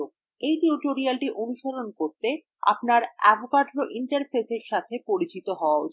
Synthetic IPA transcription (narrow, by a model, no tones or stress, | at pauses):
ok | ejʈuʈoɾialʈiʔonuʃolonkoɾt̪e | a̰pnaɾɛ̰bʱokaɖɾoʔiɳʈaɾpʰeseɾʃat̪ʰepoɾit͡ɕit̪oɦɔoao